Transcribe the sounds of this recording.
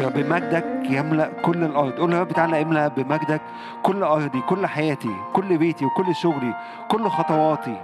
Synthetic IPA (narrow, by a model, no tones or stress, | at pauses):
bemæɡ̚d̪ækjæmlæʔkolːelʔɑɾˤd̪ˤʔuːlbæːbet̪aːʕlæʔemlæbemæɡd̪ækː | olːʔɑɾˤd̪ˤikolːħajæːt̪ḭkolːbeːt̪iwekolːʃoɣli | kolːxɑt̪ˤɑwɑːt̪i